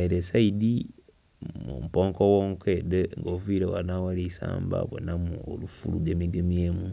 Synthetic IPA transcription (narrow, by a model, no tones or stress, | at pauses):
iɾesaidi | mṵmupoːŋkowoːŋkʰedeŋɡoviːɾewa̰nawalisa̰ːmba̰βo̰namuo̰lufṵluɡeːmiɡemjeːmu